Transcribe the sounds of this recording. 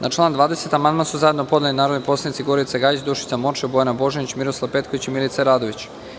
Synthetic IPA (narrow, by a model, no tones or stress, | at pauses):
nʔat͡ʃlˠand̪ʋaːd̪e̞set̪amand̪mansuzajed̪nopo̞d̪elinaːɾo̞d̪nipo̞slˠanit̪siɡoɾit̪seɡaːjit͡ɕd̪uʃi̥t̪samo̞t͡ʃebojanabo̞ʒenit͡ɕmiɾo̞slˠaʋpe̞t̪ko̞ʋit͡ɕimilit̪seɾaːd̪o̞ʋit͡ɕ